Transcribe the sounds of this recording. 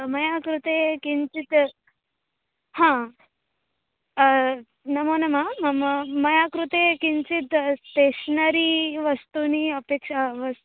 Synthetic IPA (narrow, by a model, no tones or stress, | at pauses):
mɐjakɾut̪ekint͡sit̪ | hã | nɐmonəmaməmmɐjakɾut̪ekint͡sit̪t̪eɕnəɾiːʋəst̪uniəpekʂaʋəs